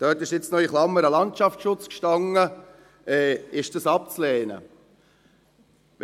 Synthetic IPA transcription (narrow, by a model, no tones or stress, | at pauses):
d̥œːtɪʃjɪt͡snɔʏiχlɑmːəɾɑlɑntt͡ʃɑfʃʊt͡skʃtɑŋːə | ɛːɪʃd̥ɑsɑp̚t͡slɛːnə̰